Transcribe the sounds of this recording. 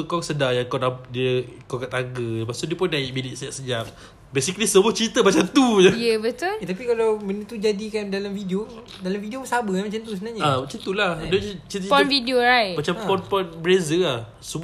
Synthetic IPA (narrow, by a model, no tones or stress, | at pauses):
əkɔŋsədajaŋkɔnabdiəkɔkat̪aɡəpasʊdiəpʊndaɪʔ̚biniʔ̚səaʔsəd͡ʒap̚ | besiklisəbut͡ʃit̪əmat͡ʃant̪uɲəjəbət̪ult̪apikalawmənut̪ud͡ʒadikandalamfidio | dalamfidiosabəamat͡ʃant̪usəbənaɲaamat͡ʃant̪uladt͡ʃit̪ət͡ʃiɔnfidioɾajmat͡ʃampɔnpɔnbɾezəlah | səb